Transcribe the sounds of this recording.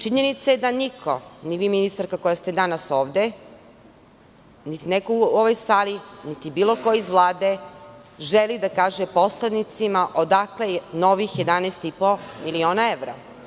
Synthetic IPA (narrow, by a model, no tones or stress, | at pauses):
t͡ʃiɲenit̪sajed̪anikʰo̞̰niʋiːminist̪aɾkakojast̪ed̪anaso̞ːʋd̪e | nit̪inekouoʋo̞jsaːlinit̪ibiːlˠo̞kojizʋlˠaːd̪e̞ | ʒelid̪akaːʒepo̞slad̪nit̪simaʔod̪akleno̞ʋixje̞d̪anɛst̪ipomilio̞ːnaeʋɾa̰